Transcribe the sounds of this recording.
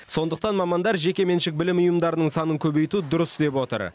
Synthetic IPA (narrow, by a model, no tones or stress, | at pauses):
so̞nd̪əqt̪ɑnmɑmɑnd̪ɑɾʒe̞kʲe̞me̞nʃɪk̚bɪlɪmʊjəmd̪ɑɾənəɴsɑnəŋkʲʰɵbe̞jt̪ud̪ʊɾəst̪epwo̞t̪ə̰ɾ